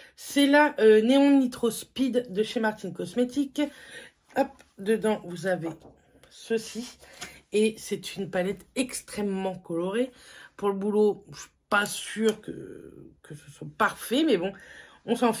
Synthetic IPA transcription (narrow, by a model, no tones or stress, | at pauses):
sɛlaʔøneɔ̃nit̪χɔspid̪ːəʃemaʁt̪inkɔsmet̪ik | ɔp̚ | d̪əd̪ɑ̃vuzave | səsi | esɛt̪ʰynpalɛt̪ɛkst̪χɛmːɑ̃kɔlɔʁepuʁləbuloʃi̥pasyʁkə̰kəsəswapaʁfɛmɛbɔ̃ | ɔ̃sɑ̃f